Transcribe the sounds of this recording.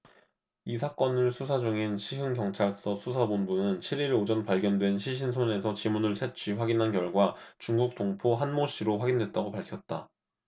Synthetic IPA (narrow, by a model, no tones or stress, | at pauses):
isʰak͈ʌnɯɭsʰusʰad͡ʑuŋinɕʰiɦɯŋkjʌŋt͡ɕʰaɭs͈ʌsʰusʰabonbunɯnt͡ɕʰiɾiɭod͡ʑʌnpaɭɡjʌndwe̞nɕʰiɕʰinsʰone̞sʰʌt͡ɕimunɯɭt͡ɕʰet͡ɕʰɥiɸwaɡinɦankjʌɭɡwat͡ɕuŋɡuk̚t͈oŋpʰoɦanmoɕ͈ʰiɾoɸwaɡindwe̞t̚t͈aɡopaɭkʰjʌt̚t͈a